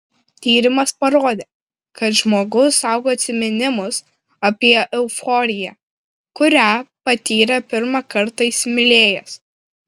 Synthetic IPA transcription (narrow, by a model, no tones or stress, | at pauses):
t̪ʲiːɾʲɪmɐspɐɾoːd̪ʲeː | kɐt̪ʒmoːɡʊsɑˑʊɡoːɐt̪ʲsʲɪmʲɛnʲɪmʊs | ɐpʲiɛʔɛʊfɔːɾʲɪjæ | kʊɾʲæpɐt̪ʲiːɾʲɛpʲɪɾmɑkɐɾt̪ɐɪsʲmʲɪlʲeːjɛs